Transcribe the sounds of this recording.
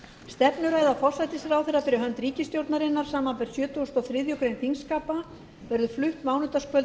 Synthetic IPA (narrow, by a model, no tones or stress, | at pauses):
st̪ɛpnʏɾaːjðafɔr̥sajt̪ɪsɾawθejrapɛɾʏɦœnt̪ɾiːcɪst̪jowɾt̪naɾɪnːaɾ̥saːmanfɛɾ̥sjœːt̪ːust̪ɔθɾɪðjʏkɾejnfiŋskaːpa | vɛɾðʏflʏht̪maːwnʏt̪askʰœlt